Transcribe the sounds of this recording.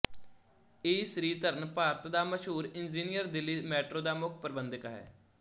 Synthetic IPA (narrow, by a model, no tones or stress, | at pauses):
eːsɾiːt̪əɾənpaːɾət̪d̪aːməʃɦuːɾɪnd͡ʒiːnijəɾd̪ɪlːiːmɛːʈɾoːd̪aːmʊkʰpəɾbənd̪ɪkɦɛ̰ː